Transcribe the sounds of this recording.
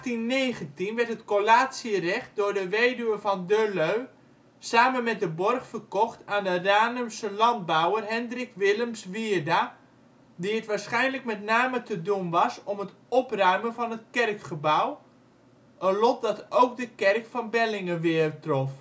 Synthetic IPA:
tinːeːχəntinʋɛrtɦətkolaːtsiərɛχt̚dʊːɹdəʋejdyʋəvɑndøløɥ | saːmənmɛt̚dəbɔrχfərkɔχtaːndəraːnəmsəlɑnd̚bawərɦɛndrɪkʋɪləmsʋɪrda | diətʋaːɹsχɛjnləkmɛtnaːmətədunʋɑsɔmət | ɔprœɥmənvɑnətkɛrkχəbaw | ʔənlɔt̚dɑtowk̚dəkɛrkfɑnbɛlɪŋəʋɪəbtrɔf

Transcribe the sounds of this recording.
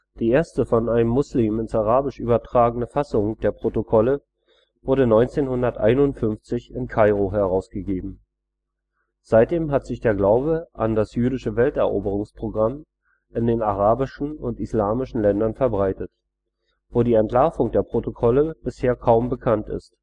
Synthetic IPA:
d̥iːeːɐstəfɔnaɪnəmːʊsliːmɪnsaʁaːbɪʃʔyːbɐtʁ̥aːɡənəfasʊŋd̥eːɐpʁ̥otokʰɔlə | vʊɐɾənɔʏnt͡seːnhʊndɐtʔa̰ɪnʊntfʏnft͡sɪçɪnkʰaɪʁoɦɛɐʁ̞aʊsɡ̥əɡeːbm̩ | z̥aɪt̚d̥eːmɦatz̥ɪçd̥eːɐɡlaʊbəʔa̰ndasjyːɾɪʃəvɛltɛɐʔo̰ːbəʁ̞ʊŋspʁ̥oɡʁam | ʔɪndeːnaʁ̞aːbɪʃn̩ʊntislaːmɪʃn̩lɛndɐnfɛɐbʁaɪtət | v̥oːdiːɛntlaɐfʊŋdeːɐpʁ̥otokʰɔləb̥ɪsheːɐkʰaʊmbəkʰantɪ̰st

